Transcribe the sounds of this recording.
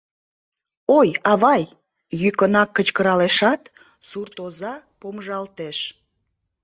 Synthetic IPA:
ojɑβɑj | jykənɑkːət͡ɕkəɾɑleʃɑt̪ | surt̪ozɑpomʒɑlt̪eʃ

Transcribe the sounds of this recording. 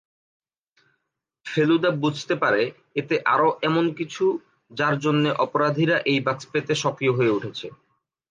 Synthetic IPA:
felud̪abud͡ʑʱt̪epaɾe | et̪eʔa̰ɾoʔɛmonkit͡ɕʰu | d͡ʑaɾd͡ʑonːeʔɔpoɾad̪ʱiɾaʔejbakspet̪eʃɔkɾijoɦoeuʈʰet͡ɕʰe

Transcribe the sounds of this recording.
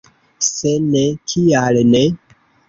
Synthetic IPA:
senekʰialne

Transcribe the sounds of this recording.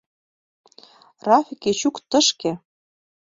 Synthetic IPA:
rɑfʲiket͡ɕukt̪ɤ̆ʃke

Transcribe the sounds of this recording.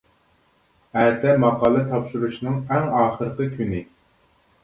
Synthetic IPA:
æt̪ɛmɑqʰɑːlˠɨt̪ʰɑpʃuɾuʃnɨŋæŋɑːχəɾəqəkʲʰynɪ

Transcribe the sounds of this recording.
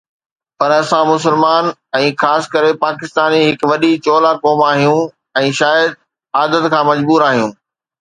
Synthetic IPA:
pɐɾɐsãmʊs̬əlmaːnɛ̃ːxaːskɐɾepaːkɪst̪aːniɦɪkʋɐɗit͡ɕoːlakɔːmaːɦijũ | ɛ̃ːʃaːjəd̪̚ | aːd̪ət̪kʰãːmɐd͡ʑbuːɾaːɦijũː

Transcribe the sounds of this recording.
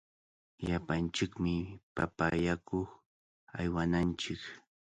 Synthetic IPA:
ʎapant͡ʃɪkmɪpapajakoχ | ajwanant͡ʃɪk

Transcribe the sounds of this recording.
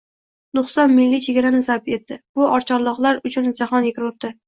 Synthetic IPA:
d̪ʊχst̪ɒnmɪlːit͡ʃʰe̞ɡʲaɾanɪzab̚t̪e̞t̪ːɪb̥ʊʔɒɾt͡ʃʰɒɾlˠɒqlˠaɾʊt͡ʃʰʊnd͡ʒaχɒnjekʲɪɾop̚t̪ɪ

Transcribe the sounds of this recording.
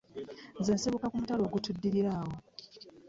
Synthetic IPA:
zeːnseβukakumutalo̞ːɡutudːiɾiɾaːwo

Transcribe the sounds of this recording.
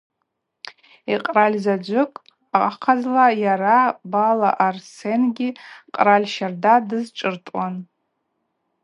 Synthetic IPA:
iqʼralʲzad͡ʒʷʊkʼ | aqʼqʰazlajaɾabalaʔarsenɡʲiqʼralʲʃardadɨzʈ͡ʂʼɨrtʼwan

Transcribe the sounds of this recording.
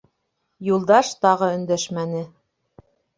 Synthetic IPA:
julˠd̪ɑʃt̪ɑʁɤɵ̆nd̪æʃmænɘ

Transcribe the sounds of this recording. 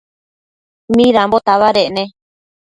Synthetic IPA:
mĩðambot̪aβaɾeʔnẽ

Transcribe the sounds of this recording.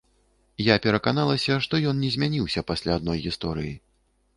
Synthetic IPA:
japʲɛɾɐkanalˠɐsʲɐʂt̪ɔjɔnnʲɛzʲmʲanʲiwsʲɐpasʲlʲaːd̪̚nɔjɣʲist̪ɔɾɨ̰ji

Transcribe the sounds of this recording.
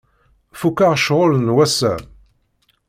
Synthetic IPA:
fukːaʁʃʁolənwæsæ̰

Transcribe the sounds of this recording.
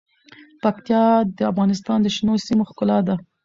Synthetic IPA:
pakt̪jɑd̪əafɣɑnɪst̪ɑnd̪əʃnosimoxkʊlɑd̪a

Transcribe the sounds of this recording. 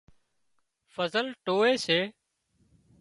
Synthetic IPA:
fəzəlʈoːeːseː

